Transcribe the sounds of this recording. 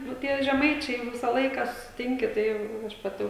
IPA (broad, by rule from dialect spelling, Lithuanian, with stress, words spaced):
nʊ ˈtʲiɛ ʒʲɛˈmɐɪt͡ʃʲɛɪ jɛʊ ˈʋʲɪsɑː ˈlˠɐɪkɑː sʊsʲɪˈtʲɪŋʲkʲɪ tɐɪ jɛʊ ˈjɛʊ ɐʃ pɐˈtʲɪ